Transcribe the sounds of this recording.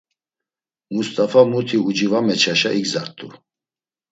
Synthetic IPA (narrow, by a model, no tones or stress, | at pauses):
must̪ʼafamut̪ʰiud͡ʒivamɛt͡ʃʰaʃaʔiɡzaɾt̪ʼu